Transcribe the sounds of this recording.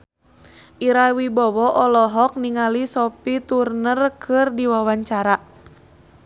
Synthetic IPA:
ʔiɾawibɔwɔʔɔlɔɦɔk̚niŋalisɔpit̪urnərkʰɨrdiwawaɲt͡ʃaɾa

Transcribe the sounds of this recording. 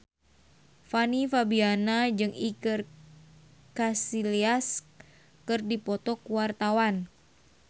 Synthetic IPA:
fanifabianad͡ʒɨŋikɨr | kasilias | kɨrdipɔt̪ɔkuwart̪awan

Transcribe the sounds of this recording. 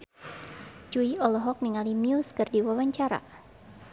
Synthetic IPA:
d͡ʒuiɔlɔɦɔk̚niŋalimiuskərdiwawaɲt͡ʃaɾa̰

